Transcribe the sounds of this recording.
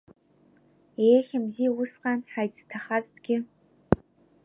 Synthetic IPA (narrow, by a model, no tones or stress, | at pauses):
eːɬɨmziːwʊsqɐnħajt͡sɨ̥tʰɐχaztɡʲɪ